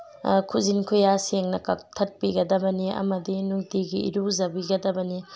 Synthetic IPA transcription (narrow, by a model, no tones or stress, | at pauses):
kʰuzinkʰujaseŋnɐkɐ̰ktʰɐt̚piɡɐd̪ɐbɐniɐ̰mɐdinuŋtiɡiḭɾuzɐbiɡɐd̪ɐbɐni